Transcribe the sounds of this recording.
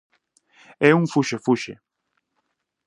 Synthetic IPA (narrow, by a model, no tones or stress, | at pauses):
ɛuŋfuʃefuʃḛ